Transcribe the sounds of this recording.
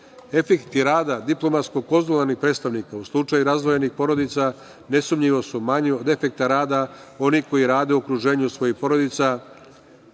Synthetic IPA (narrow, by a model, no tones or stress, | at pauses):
e̞fekt̪iɾaːd̪ad̪iplo̞mat̪skoko̞zolˠaɾnixpɾet̪st̪aʋnikauslˠut͡ʂajuɾazd̪ʋo̞jenixpo̞ɾo̞d̪it̪sa | ne̞sumɲiʋo̞sumaɲeo̞d̪e̞fe̞k̚t̪aɾaːd̪ao̞niko̞jiɾaːd̪e̞uokɾuʒe̞ːɲusʋo̞jixpo̞ɾo̞d̪it̪sa